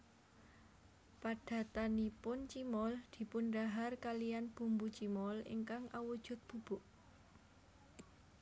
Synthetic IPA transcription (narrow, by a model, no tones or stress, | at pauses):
paɖ̥a̤t̪anipʊnt͡ʃimɔld̪̥i̤punɖaɦarkalijanb̥ṳmbut͡ʃimɔlḭŋkaŋawud̥ʒ̥ʊ̤t̪̚b̥ṳb̥ʊʔ